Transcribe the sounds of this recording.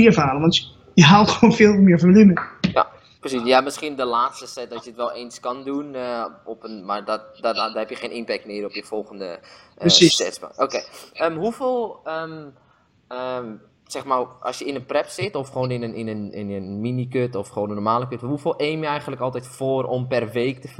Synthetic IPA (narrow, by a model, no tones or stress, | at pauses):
iəfaːləʋɑnt | jəɦaːlxəoːnfɪːlˠmɪːəɹfɔnəliməja̰ | prəsisjamɪskiəndəlaːtstəsɛt̚dɔtjəətʋɛlˠeːnskɑndunɔpənmardɔtdaɦɛpjəxeːnʔɪnpɛk̚tmɪərɔpjəfɔlˠɣəndə̰ | isɛsba̰oːkeːəmɦufeːlˠəm | ə | sɛxmarʔɔ̰sjəɪnənprɛpsɪtɔfxoːnɪnənɪnənɪnəminikøtɔfχʋoːnənɔrmaːləkøtɦufɪːlˠʔeːmjəɛjɣəndləkɔlˠtɛjtfoːərɔmpɛrʋeːktə